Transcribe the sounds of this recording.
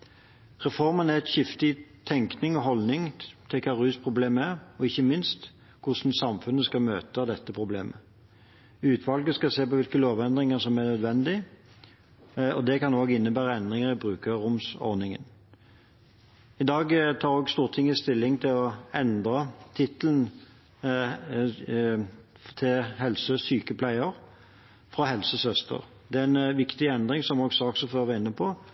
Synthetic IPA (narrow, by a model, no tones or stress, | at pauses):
ʁɛfɔʁmənæʁɛt̪çɪft̪ɪt̪ʰɛŋknɪŋɔɦɔlnɪŋt̪ʰɪlkʰɑːʁʉːspʰʁʊbleːməæʁɔɪçːəmɪnst̪ | kʰʊʂnsɑmfʉnːəskɑmøːt̪əd̪ɛt̪ːəpʰʁʊblḛːmʔə | ʉːt̪ʰʋɑlɡəskɑseːpɔʋɪlkəloːʋɛnd̪ʁɪŋəsɔmænœd̪ʋɛnd̪ɪ | ɔd̪ɛkɑnoːɡɪnːəbæːʁəɛnd̪ʁɪŋəʁɪbʁʉːkəʁʊmsɔ̰ʁnɪŋə̰n | ɪd̪ɑːɡt̪ʰɑːɾoːɡst̪uːʁt̪ʰɪŋːəɪst̪ɪlːɪŋt̪ʰɪlɔɛnd̪ʁɑt̪ʰɪt̪əln̩ | t̪ʰɪlhɛlsəsyːkəpʰlæɪəʁ | fʁɑɦɛlsəsœst̪ʰə̰ʁ | d̪ɛæɛnʋɪkt̪ɪɛnd̪ʁɪŋsɔmoːɡsɑːksɔføːʁʋɛɪnːəpʰɔ